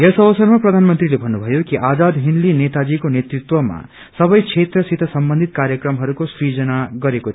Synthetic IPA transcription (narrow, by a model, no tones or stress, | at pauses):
jʌsʌwʌsʌrmaprʌd̪ʱanmʌnt̪rilebʱʌnːubʱʌjokiʔad͡zad̪ɦinlinet̪ad͡zikonet̪rit̪wʌma̰ | sʌbʌjkʰet̪rʌsit̪ʰʌsʌmbʌnd̪ʱit̪kaɾjʌkrʌmɦʌɾukosɾid͡zʌnaɡʌɾeko